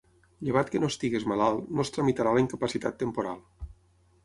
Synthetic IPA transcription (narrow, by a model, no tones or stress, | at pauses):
ʎəβ̞at̪kənost̪iɣezmalalˠnost̪ɾəmit̪aɾaləiŋkəpəsit̪at̪ːəmpuɾa̰lˠ